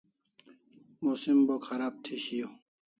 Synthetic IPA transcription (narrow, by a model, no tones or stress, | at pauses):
musimbokxɐɾaːb̚t̪ʰiɕijo